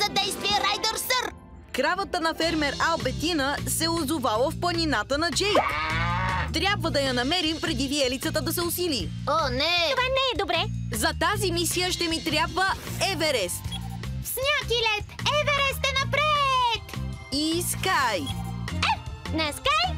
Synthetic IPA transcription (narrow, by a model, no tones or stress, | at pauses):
zɐd̪ɛjst̪viɛɾajd̪əɾsəɾ | kɾavət̪ənɐfɛɾmɛɾalˠbɛt̪inəsɛʊzʊvalˠəfplˠɐnʲinat̪ənɐd͡ʒɛjt̪ | t̪ɾʲjabvəd̪ɐjɐnɐmɛɾimpɾɛd̪iviɛlit̪sət̪əd̪ɐsɛʊsili | onɛovanɛːd̪obɾɛzɐt̪azimisijəʃt̪ɛmit̪ɾʲabvəɛvɛɾɛst̪fsnʲakilɛsɛvɛɾɛst̪ɛnɐpɾɛt̪iskajɛnɛskaj